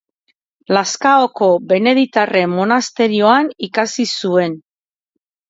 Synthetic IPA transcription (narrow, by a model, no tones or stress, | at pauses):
laskaoko̞be̞ne̞ðit̪are̞mːo̞nast̪e̞ɾio̞anikasisue̞n